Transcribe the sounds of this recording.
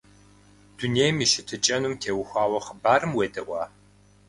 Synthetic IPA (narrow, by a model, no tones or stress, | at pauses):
d̥uneːjmiʃɪtʰɨt͡ʃʼɐnumtʰeːwʊxʷaːwɐχəbaːɾɨmweːdɐwʷaː